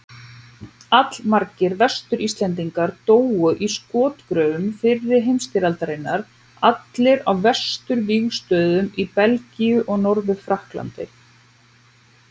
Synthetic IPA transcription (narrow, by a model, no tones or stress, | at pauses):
at̪lmaɾcɪɾvɛst̪ʏɾist̪lɛnt̪̬iŋkaɾt̪oːwʏʔiskɔːt̪kɾœːvʏmfɪrːɪ̥ɦejmst̪ɪɾalt̪aɾejnːaɾ | at̪lɪɾawvɛ̥st̪ʏɾviːɣst̪œːðʏmipɛlciʏʔɔɣnɔɾvʏfɾahkla̰nt̪ɪ̰